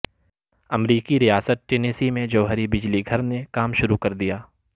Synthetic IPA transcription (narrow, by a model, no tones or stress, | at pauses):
ɐmɾiːkiɾijaːsət̪̚ʈeːneːsimẽd͡ʒɐːɦəɾibɪd͡ʒliɡʱɐɾnekaːmʃʊɾukɐɾd̪ijaː